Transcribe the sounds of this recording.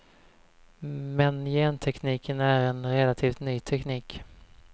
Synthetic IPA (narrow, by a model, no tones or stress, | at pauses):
mɛnjeːnt̪ʰɛkniːkənæɾɛnɾɛlat̪ʰiːft̪nyːt̪ʰɛkniːk